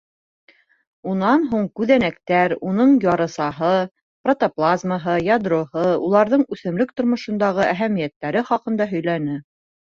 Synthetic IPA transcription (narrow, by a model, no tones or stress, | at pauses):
unɑnɦuɴkʉðænækt̪æɾunɤɴjɑɾɤ̆sɑɦɤ | prot̪oplˠazməɦɤjɑd̪rohɤulˠɑɾðɤɴʉθɘ̆mlɵkt̪ŏɾmŏʃɤ̆nd̪ɑʁɤʔæɦæmijæt̪ːæɾɘχɑqɤ̆nd̪ɑɦɵ̆jlænɘ